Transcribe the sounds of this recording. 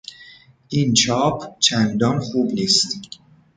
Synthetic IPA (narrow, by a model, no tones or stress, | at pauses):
ʔint͡ʃʰɒːpʰt͡ʃʰænd̪ɒːnxuːbniːst̪